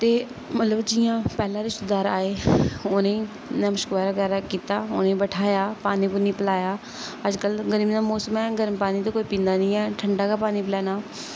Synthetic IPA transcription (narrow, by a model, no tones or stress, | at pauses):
t̪eː | mət̪ləbd͡ʒɪːãːpɛːlãːɾiːsʊd̪aːɾa̰ːeːoːnẽː | nɛ̃ːməʃkbaːɾaːɡɛːɾaːkiːt̪aːʊ̰ːnẽːbəʈʰaːjaːpaːniːpʊniːpəlaːjaː | əd͡ʒkəlɡəɾibnaːmɔːsəmɛːɡəɾmpaːniːt̪oːkoːiːpĩːnd̪aːnĩːɛːʈʰəɳɖaːkaːpaːniːplɛːnaː